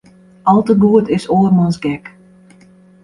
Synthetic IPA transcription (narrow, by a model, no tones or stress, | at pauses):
ʔɑlˠtəɡuətɪsoːrmɔnsɡɛk